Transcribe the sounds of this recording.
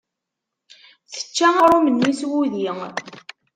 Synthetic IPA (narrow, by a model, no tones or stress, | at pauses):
θə̥t͡ʃːæɾumənːiswuði